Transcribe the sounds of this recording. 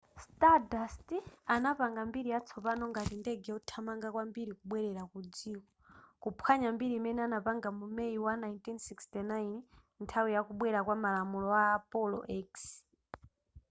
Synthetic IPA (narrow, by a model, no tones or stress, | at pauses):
stadastianapaŋɡambiɾijat͡sʰɔpanɔŋɡatindɛɡɛutʰamaŋɡakwambiɾikuɓwɛɾɛɾakud͡ziːkɔ̥kupʰwaɲambiɾiːmɛnɛanapaŋɡamumɛiwanajntinsikstinajn | ntʰawijakuɓwɛɾakwamalamulɔaːpɔlɔ̰ʔɛks